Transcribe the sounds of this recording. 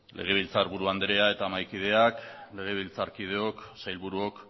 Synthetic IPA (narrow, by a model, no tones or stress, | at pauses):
lʔe̞ɣ̞e̞β̞ilt͡saɾβuɾuand̪eɾe̞ae̞t̪aːmajkið̞e̞akle̞ɣ̞e̞β̞ilt͡saɾkið̞e̞o̞ksajlβuɾuo̞k